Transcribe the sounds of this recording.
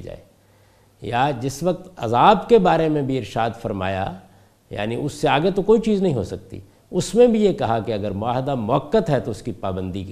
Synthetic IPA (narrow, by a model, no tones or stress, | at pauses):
d͡ʒa̰ːḛː | jad͡ʒɪsʋɐk̚t̪ɐ̰zaːbkebaːɾemẽbʱiɪɾʃaːd̪fɐɾma̰ːja̰ | ja̰ːniʔʊsːeaːɡet̪okoːit͡ʃiːznɐɦĩɦosɐk̚t̪ḭ | ʊsmẽbʱijekɐɦakeɐɡəɾmʊaːɦɪd̪amʊɦəkːət̪ɦɛt̪oʊskipaːbə̃nd̪ik